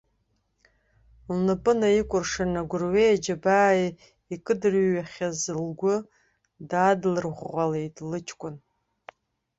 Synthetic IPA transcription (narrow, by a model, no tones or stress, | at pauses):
lnɨpʼɨnaikʷʼʊrʂanaɡʷʊrɥejad͡ʒabaːj | ikʼɨdɨrːaχʲazɨlɡʷʊ | daːdlɨrʁʷːale̞jtʼlɨt͡ʃʰkʷʼʊn